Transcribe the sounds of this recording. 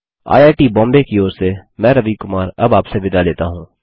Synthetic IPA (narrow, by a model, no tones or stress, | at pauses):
a̰ːjaːʈibɔ̃ːmbekioːɾsemɛ̃ːɾɐʋikʊmaːɾɐbaːpseʋɪd̪aleːt̪aɦũː